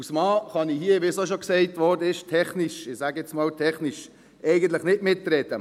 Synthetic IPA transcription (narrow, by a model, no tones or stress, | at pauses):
usmɑːχɑnihiəʋisoʃoksɛɪtʋɔɾdəɪʃtʰɛχniʃɪsaːɡɛt͡smɑːltʰɛχniʃ | ʔɛɪɡən̩tlɪχnɪtmɪtːɾɛtə